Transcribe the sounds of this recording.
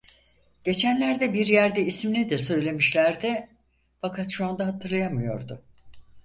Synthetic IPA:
ɟ̥e̞t͡ʃʰænlʲæɾd̪ɛbiɾjæɾd̪ɛisminʲid̪ɛsø̞jlʲe̞miʃlʲæɾd̪ɪ | fakʰat̪ʃuand̪aɦat̪ʰɯɾlˠajamɯjo̞̰ɾd̪ʊ

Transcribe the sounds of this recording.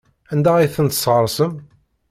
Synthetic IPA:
ænd̪æiθənt̪sˤʁəɾˤsəm

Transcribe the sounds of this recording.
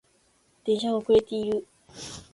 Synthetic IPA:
d̪̥eɕãŋokɯɾet̪eiɾɯ

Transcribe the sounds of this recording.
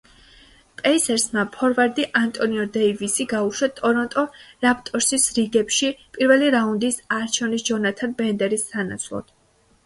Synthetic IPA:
pʼɛisɛɾsmapʰɔɾvaɾd̪iʔant̪ʼɔniɔd̪ɛivisiɡauʃwat̪ʼɔɾɔnt̪ʼɔɾap̚ʰt̪ʼɔɾsisɾiɡɛpʃipʼiɾvɛliɾaund̪isaɾt͡ʃʰɛvnisd͡ʒɔnat̪ʰanbɛnd̪ɛɾisana̰t̪sʰlˠɔ̰d̪̥

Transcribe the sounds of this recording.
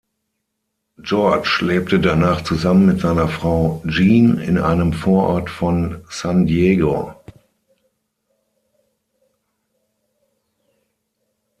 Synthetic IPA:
d͡ʒɔɐt͡ʃleːp̚tədanaːχt͡suzamənmɪtz̥aɪnɐfʁ̥aʊd͡ʒiːnɪ̰nʔa̰ɪnəmfoːɐʔɔ̰ɐtfɔnsandjeːɡo

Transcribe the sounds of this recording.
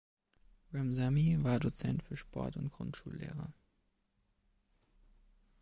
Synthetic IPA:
ʁamzamivaːɐdot͡sɛntfyːɐʃpʰɔ̰ɐtʊntɡ̥ʁʊ̰ntʃṵːlːḛːʁɐ̰

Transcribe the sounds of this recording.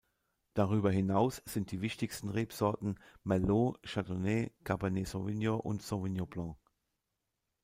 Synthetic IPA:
d̥aʁyːbɐɦɪnaʊsz̥ɪnt̚d̥iːvɪçtɪçstn̩ʁeːpz̥ɔɐtn̩mɛloʃatonekʰabanesovinjoʔʊ̰ntsovinjoblɑ̃ː

